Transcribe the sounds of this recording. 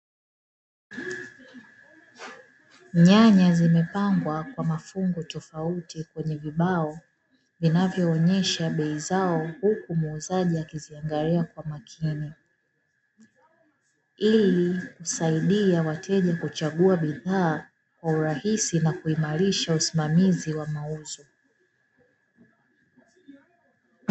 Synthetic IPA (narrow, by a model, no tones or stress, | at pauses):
ɲaɲazimɛpaŋɡwakwamafuŋɡutɔfautikwɛɲɛviɓaɔ | vinavjɔːɲɛʃaɓɛizaɔhukumuuzaʄiakiziaŋɡaliakwamakʰini | ilikusaiɗiawatʰɛʄakut͡ʃaɠuaɓiðaː | kwauɾahisinakuimaɾiʃausimamiziwamauzɔ